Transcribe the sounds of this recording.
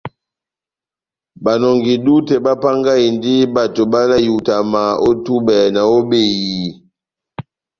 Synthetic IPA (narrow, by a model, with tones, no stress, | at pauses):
ba˨nɔ˨ŋɡi˨du˦tɛ˨ba˦pa˦ŋɡa˦i˨ndi˦ba˨to˨ba˦na˦ju˨ta˨ma˨o˦tu˦bɛ˨na˨o˦be˨jii˨